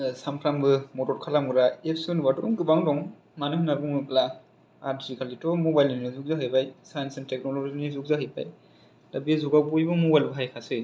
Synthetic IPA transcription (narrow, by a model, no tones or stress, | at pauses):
samkʰɾambɯmɔtɔɾkʰalamɡɯɾaepʰsiɔnbadɔɾuŋɡɯbaŋdɔŋ | manɯhɯnaɡuŋɯkla | aɾdzikʰalitɔmɔbajlinɯzuk̚zaɦɯjbajsajansentek̚nolozinizuk̚zaɦɯjpa̰j | dabizuɡawbujbɯmɔbajlbɯɦajkʰasɯ